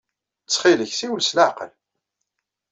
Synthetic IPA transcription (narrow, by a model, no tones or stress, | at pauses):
t͡sːχiləçsiwəlslaʕqə̰l